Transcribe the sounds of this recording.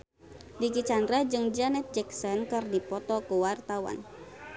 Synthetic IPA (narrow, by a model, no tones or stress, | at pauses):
dikit͡ʃandɾahd͡ʒɨŋd͡ʒanɛt̪̚d͡ʒɛksɔnkɨrdipɔt̪ɔkuwart̪awa̰n